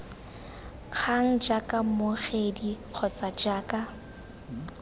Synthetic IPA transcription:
q͡χʰaŋ̩d͡ʒakʼamoχediq͡χʰɔt͡sʼad͡ʒaːkʼa

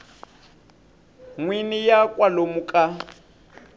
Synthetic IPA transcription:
ŋwinijakʼwalomukʼa

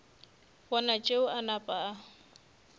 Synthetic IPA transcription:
wɔnat͡ʃʼeʊʔanapʼaː

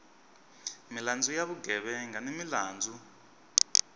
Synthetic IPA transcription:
miland͡zujaβuɡʱɛɓɛŋɡʱanemilaːnd͡zʱu

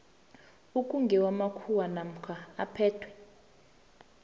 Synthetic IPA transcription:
ukʼuŋɡʱɛwamakʰuwanam̩kʰaa̰pʰɛːtʰwɛ

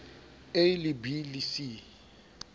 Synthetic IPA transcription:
ejlibilisi

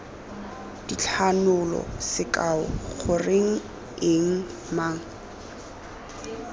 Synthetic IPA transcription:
d̥it͡ɬʰanʊlɔ̰sɪkʼaʊɣʊrɪŋ̩ | ɪŋ̩ | maːŋ̩

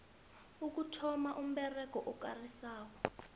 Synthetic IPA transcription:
uk̬utʰɔmaʔum̩ɓɛrɛk̬ɔʔɔkarisaːwɔ

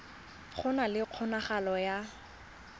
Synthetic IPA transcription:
χʰʊnalɪq͡χʰɔnaχalɔja

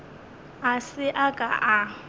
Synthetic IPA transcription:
asɪʔakʼaʔa

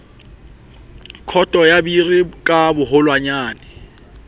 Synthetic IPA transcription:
kʰɔtʼɔjabirikʼabʊɦʊlwaɲaːnɪ

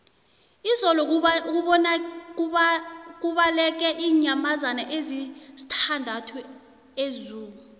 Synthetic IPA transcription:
izɔlɔk̬uɓɔna | k̬uɓalɛk̬ɛʔiːɲamazanaʔezizi̥tʰandʱatʰu | ezuːk̬u

